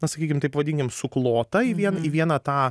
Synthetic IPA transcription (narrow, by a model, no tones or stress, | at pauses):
nɐsɐkʲiːkʲɪmt̪ɐɪpʋɐd̪ʲɪŋʲkʲɪmsʊklˠoːt̪ɐɪʋʲiɛnɐiʋʲiɛnɐt̪ɑː